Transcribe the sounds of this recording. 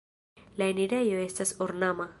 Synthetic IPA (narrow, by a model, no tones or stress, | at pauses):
laeniɾajoest̪asoɾnama